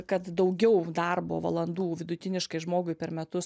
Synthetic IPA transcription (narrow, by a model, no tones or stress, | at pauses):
kɐt̪d̪ɐʊɡʲɛʊd̪ɐrbo̰ːʋɐ̰lˠɐnd̪uːʋʲɪd̪ʊt̪ʲɪnʲɪʃkɐɪʒmoːɡʊɪpʲɛɾmʲɛt̪ʊs